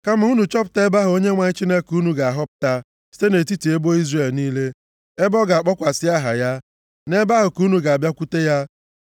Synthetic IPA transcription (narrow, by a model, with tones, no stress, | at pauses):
ka˦m̩˨u˦nu˨t͡ʃɔ˦p̬ʊ̥˨ta˦e˦ba˦ɦʊ˨o˦ɲe˦ŋʷa˨ɲɪ˦t͡ʃi˦ne˦ku˦nu˨ɡa˨a˨ɦɔ˦p̚ʊ̥˨ta˦ | si̥˦te˦ne˨ti˦ti˨e˦bo˦i˦zre˨lniː˦le˦ | e˦bɔ˦ɡa˨k͡pɔ˦kʷa˨sɪ˦a˦ɦa̰˨ja˦ | ne˦ba˦ɦʊ˨ku˦nu˨ɡa˨a˨bja˦kʷu˦te˦ja˦